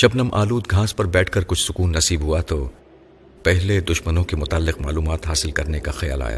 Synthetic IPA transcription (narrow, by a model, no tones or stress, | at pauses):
ʃɐbnɐmʔa̰ːluːd̪ɡʱãːspɐɾbɛːʈʰkɐɾkʊt͡ʃʰsʊkuːnːɐsiːbɦuat̪o | pɛɦled̪ʊʃmənõkemʊt̪aːlːɪqma̰ːluːmaːt̪ɦaːsɪlkɐɾnekaxɐja̰ːla̰ːja̰ː